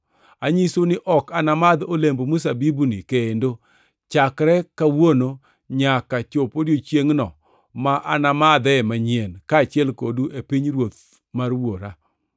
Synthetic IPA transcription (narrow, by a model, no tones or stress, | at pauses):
aɲisonɪʔɔkanamad̪olembomus̬abibunikeendo | t͡ʃakɾɛkawono | ɲakat͡ʃopodjot͡ʃjeŋnɔ | maʔa̰namad̪ɛmaɲenkaːt͡ʃɪɛlkoduʔepiɲɾwot̪̚ | marwoɾa